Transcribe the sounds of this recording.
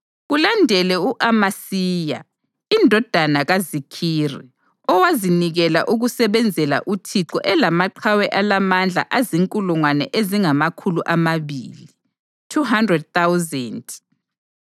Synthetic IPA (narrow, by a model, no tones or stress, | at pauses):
ɣulandʱɛlɛuʔamasiːja̰ | indʱɔd̥ʱanaɣazikʰirḭ | ɔwaziniɣɛla̰ʔuɣusɛβɛnd͡zʱɛla̰ʔutʰiǁɔʔɛlamaǃʰawɛʔalamand͡ɮʱa̰ʔaziŋkʼuluŋwanɛʔeziŋamakʰuluʔamaβḭːli | tʰuɦandrɛd̚θawzɛnt